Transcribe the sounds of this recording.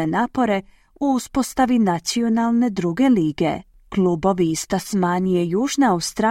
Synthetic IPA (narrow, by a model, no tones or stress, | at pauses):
enaːpo̞ɾe̞ | uuspo̞st̪aʋinat̪sio̞nalˠne̞d̪ɾuɡe̞liːɡe̞̰ | klˠuːbo̞ʋiːst̪asmaːnijejuːʒneawst̪ɾa